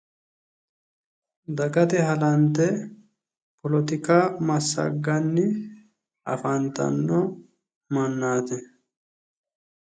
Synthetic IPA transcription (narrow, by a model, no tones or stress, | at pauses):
d̪ɐɡɐt̪ɛɦɐlɐnt̪ɛ | pɔlɔt̪ɪkaːmɐsːɐ̰ɡːɐnːɪ | ʔɐ̰fɐnt̪ɐ̰nːoː | mɐnːaːt̪ɛ